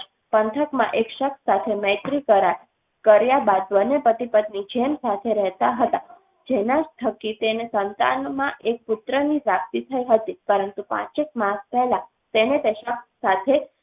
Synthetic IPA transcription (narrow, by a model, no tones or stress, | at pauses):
pənt̪ʰəkmã̰ʔekʃəksat̪ʰemɛ̃t̪ɾikəɾaʈ | kəɾjabad̪bənepət̪ipəd̪nid͡ʒʱemsat̪ʰeɾɛɦt̪aɦət̪a | d͡ʒenad͡ʒt̪ʰəkit̪enesənt̪a̰nmãʔek̚pʊt̪ɾənipɾakt̪it̪ʰəiɦət̪ipəɾənt̪upã̰t͡ʃek̚maspɛɦlã | t̪enet̪eʃəksːat̪ʰe